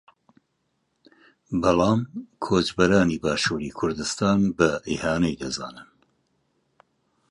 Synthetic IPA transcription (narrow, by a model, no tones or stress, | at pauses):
bɑlɑːmkʰoːd͡ʒbɐɾaːniːbaːʃuːɾḭkʰʊɾd̪ɨst̪aːnbɐʔiːhaːnɛjd̪ɐza̰ːnɨn